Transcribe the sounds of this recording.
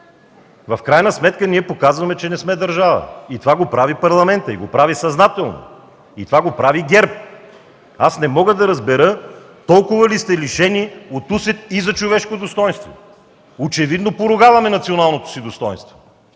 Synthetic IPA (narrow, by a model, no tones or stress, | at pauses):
vɐfkɾajnɐsmɛt̪kəniɛpokazvɐmɛt͡ʃɛnɛsmɛd̪ɐɾʒavə̰it̪ovaɡopɾavipɐɾlˠɐmɛnt̪əiɡopɾavisɐznat̪ɛlˠno̰ | it̪ovaɡopɾaviɡʲɛɾp̚ | asnɛmɔɡəd̪ɐɾɐzbɛɾɤ | t̪ɔlˠkʊvəlist̪ɛliʃɛniot̪usɛt̪izɐt͡ʃovɛʃkod̪ost̪ɔjnst̪vo̰ | ot͡ʃɛvid̪nopoɾʊɡavɐmɛnɐt̪sionalˠnot̪o̥sid̪ost̪ɔjnst̪vo